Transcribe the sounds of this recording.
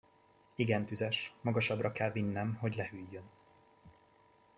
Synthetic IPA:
iɡɛnt̪yzɛʃmɒɡɒʃɒbrɒkɛlvinːɛmɦo̞ɟlɛhyjːø̞n

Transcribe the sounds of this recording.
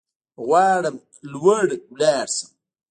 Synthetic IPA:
ɣwaːɽəm | lwəɽwlaːɾsə̥m

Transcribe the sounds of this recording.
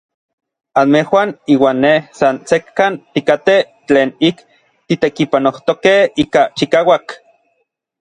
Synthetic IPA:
anmehwaniːwaːnːehsansekːant̪ikat̪e | t͡ɬeːnik | t̪it̪ekipanoht̪okehiːkat͡ʃikaːwak

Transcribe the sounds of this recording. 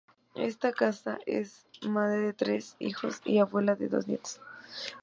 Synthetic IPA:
e̞̰st̪akasa̰ʔḛsmaðɾeðet̪ɾe̞sḭxo̞̰sḭaβwe̞laðe̞̰ðo̞̰znjḛt̪o̥s

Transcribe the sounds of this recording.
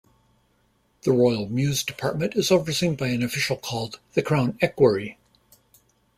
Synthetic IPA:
ðəɹɔɪl̩ˠmjʉzdɨpʰɑɹt̚mɨ̃ntɨzovə˞sɪ̃ŋbaɪɨ̃nɨfɪʃl̩ˠkʰɔlˠd̪̚ðɨkʰɹ̥ãʊ̃nɛkwə˞i

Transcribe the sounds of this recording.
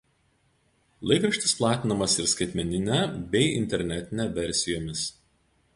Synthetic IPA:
lˠɐɪkɾɐʃʲt̪ʲɪsplˠɑːt̪ʲɪnɐmɐsɪɾskɐɪt̪ʲmʲɛnʲɪnʲæbʲɛɪɪ̰nʲt̪ʲɛɾʲnʲɛt̪ʲɪnʲæʋʲɛɾʲsʲɪjoːmʲɪs

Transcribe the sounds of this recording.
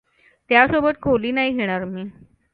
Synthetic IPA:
t̪jasobət̪kʰoliːnaɦiɡʱeɽ̃aɾmiː

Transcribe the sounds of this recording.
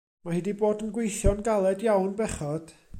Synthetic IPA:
mahɪdiboːdənɡwejθjɔnɡalˠɛdjawnbɛχɔd̥

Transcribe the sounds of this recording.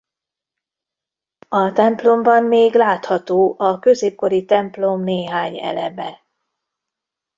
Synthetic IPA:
ɒt̪ɛmplo̞mbɒmːeːɡlaːt̪hɒt̪oːʔɒkø̞zeːp̚ko̞ɾit̪ɛmplo̞mneːɦaːɲɛ̰lɛ̰bɛ

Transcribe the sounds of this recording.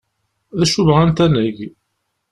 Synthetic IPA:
ðæʃuvʁænt̪ænæʝ

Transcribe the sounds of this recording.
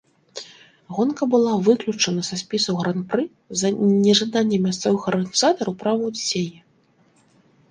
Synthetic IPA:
ɣɔnkɐbɨlˠavɨklʲut͡ʂɐnɐsɐsʲpʲisɐwɣɾanprɨ | zɐnʲɛʐad̪anʲːɛmʲast̪sɔvɨxɐrɣɐnʲizat̪ɐɾɐwpɾavɐwdʲisʲejɛ

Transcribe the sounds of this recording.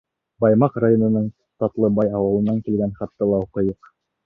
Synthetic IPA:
bɑjmɑqrajonɤ̆nɤɴ | t̪ɑt̪lˠɤbɑjɑwɤ̆lˠɤ̆nːɑŋkilɡænχɑt̪ːɑlˠɑuqɤ̆jɤq

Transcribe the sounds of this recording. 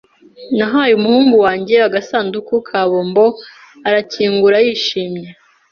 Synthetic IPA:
naɦaːjumuhuːŋɡuwaːɲɟe̞aɡasaːndukukʰaːβoːmbo̞ | aɾaciːŋɡuɾajiːʃiːmɲe̞

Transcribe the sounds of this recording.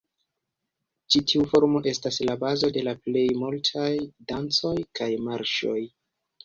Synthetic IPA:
t͡ʃitʰiufo̞ɾmo̞ʔe̞staslabazo̞de̞laple̞jmultʰajdant͡so̞jkajmaɾʃo̞̰j

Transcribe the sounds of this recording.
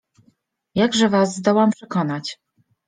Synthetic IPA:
jaɡʐɛvazːd̪ɔwampʂɛkɔnat͡ɕ

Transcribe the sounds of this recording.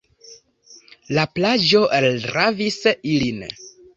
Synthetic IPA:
laplad͡ʒo̞ʔeldɾavisilin

